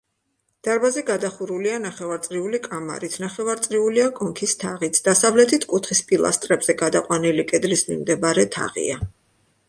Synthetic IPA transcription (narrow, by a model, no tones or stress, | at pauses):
d̪̥aɾbazɛɡad̪aχuɾulianaχɛvaɾt̪sʼɾiulikʼama̰ɾit̪ʰnaχɛvaɾt̪sʼɾiuliakʼɔŋkʰist̪ʰaʁit̪sʰd̪̥asavlɛt̪ʰit̪ʰkʼut̪ʰχispʼilˠa̰st̪ʼɾɛbz̥ɛɡad̪aqʼwanilikʼɛd̪lismḭmd̪ɛbaɾɛt̪ʰa̰ʁḭa